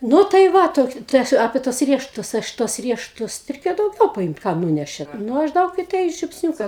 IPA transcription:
ˈnʊ tɐɪ ˈʋɐ ˈtoːkʲɪ ˈtɐɪ ɐʃ ɐpʲeː tuɔs ˈrʲiɛʃʊtʊs ˈɐʃ tuɔs ˈrʲiɛʃʊtʊs rʲɛɪˈkʲeːjoː dɐʊˈɡʲɛʊ pɐˈɪmt ˈkɐm ˈnuːnʲɛʃʲeːt ˈnʊ ˈɐʃ ˈdɐʊk ɪ tɐɪ ʒʲʊpʲsʲˈnʲuːkɐ

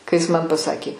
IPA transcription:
kɐɪ ˈjɪs mɐn pɐˈsɑːkʲeː

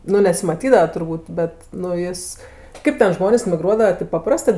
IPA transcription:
ˈnʊ nʲɛsʲɪmɐˈtʲiːdɐʋɐ tʊrˈbuːt ˈbʲɛt nʊ ˈjɪs ˈkɐɪp tʲɛn ˈʒmoːnʲeːs mʲɪˈɡruɔdɐʋɐ tʲɪp pɐˈprɑːstɜ

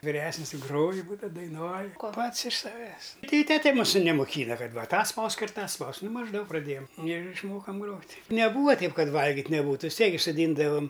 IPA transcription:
ʋʲɪˈrʲæːsʲnʲɪs ɪ ˈɡroːjʊ ˈbuːdɐw dɐɪˈnuɔj ˈpɐts ɪʃ sɐˈʋʲæːs ˈtɐɪ ɪ ˈtʲæːtʲɛ ˈmuːsʊ nʲɛmoːˈkʲiːnɐ ˈkɐt ˈʋɐ ˈtɑː ˈspɐʊsk ɪr ˈtɑː ˈspɐʊsk ˈnʊ mɐʒˈdɐʊk prɐˈdʲeːjɛm ɪr ɪʃˈmoːkɐm ˈɡroːtʲ nʲɛˈbuːʋɐ ˈtʲɛɪp ˈkɐt ˈʋɐlʲɡʲɪtʲ nʲɛˈbuːtʊ ʋʲɪs ˈtʲiɛk ɡʲɪ soːˈdʲiːndɐʋɐm

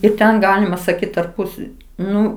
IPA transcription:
ɪr ˈtʲɛn ˈɡɑːlʲɪmɐ sɐˈkʲiːt tɐrˈpʊs ˈnʊ

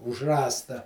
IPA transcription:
ʊʃ ˈrɑːstɐ

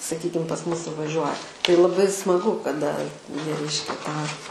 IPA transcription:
sɐˈkʲiːkʲɪm pɐs ˈmʊs sʊʋɐˈʒʲuɔjɛ tɐɪ lˠɐˈbɐɪ smɐˈɡʊ kɐˈdɐ ˈjiɛ ˈrʲɛɪʃʲkʲɛ tɑː

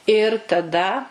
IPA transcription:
ɪr tɐˈdɐ

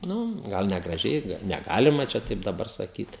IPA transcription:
ˈnʊ ˈɡɐlˠ nʲɛɡrɐˈʒʲɛɪ nʲɛˈɡɑːlʲɪmɐ t͡ʃʲɛ ˈtɐɪp dɐˈbɐr sɐˈkʲiːt

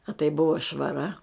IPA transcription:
ɐ tɐɪ ˈbʊʋɐ ʃʋɐˈrɐ

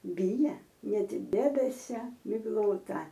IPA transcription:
ˈbʲɪjɛ ˈnʲɛt ˈdʲæːbʲɛsʲɛ mʲɪɡˈlˠoːtɐ

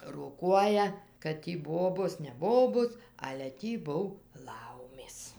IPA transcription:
roːˈkuɔjɛ kɐt ˈtʲiː ˈboːboːs nʲɛ ˈboːboːs ɐlʲɛ ˈtʲiː ˈbʊw ˈlˠɐʊmʲeːs

